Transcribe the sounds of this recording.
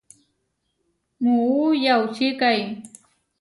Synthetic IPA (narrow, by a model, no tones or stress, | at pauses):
muujawt͡ʃɪkaj